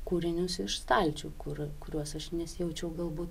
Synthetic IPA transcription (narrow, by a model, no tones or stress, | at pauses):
kuːɾʲɪnʲʊsɪʃst̪ɐlʲt͡ʃʲukʊrkʊɾʲuɔsɐʃnʲɛsʲjɛʊt͡ʃʲɛʊɡɐlˠbuːt̪